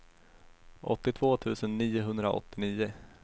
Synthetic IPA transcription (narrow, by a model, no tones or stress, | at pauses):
ʔɔt̪ːɪt̪ʰvoːt̪ʰʉ̟ːsənːiːʊɦɵnd̪ɾaʔɔ̰t̪ːɪniːʊ